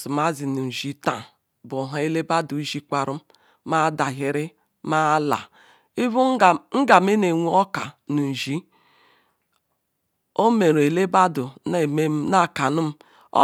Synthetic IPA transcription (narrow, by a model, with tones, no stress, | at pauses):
u˨m˦a˦zi˨nu˨n̩˨ʒi˦ta˨ | bʊ˨ɦa˨˦e˦le˦ba˦du˨˦ʒi˦kʷa˨ɾu˦m˦ | ma˦da˨ɦɪ˨ɾɪ˦ | ma˦la̰˨ | i˦bu˦˨ŋ̩˦ɡa˨me˦ne˨ŋʷu˦ɔ˦ka˨nu˨n̩˨ʒi˦ | o˦me˨ɾe˨le˦ba˦dʊ˨ne˨me˦na˦˨ka˨nu˦m̩˦ | ɔ̰˦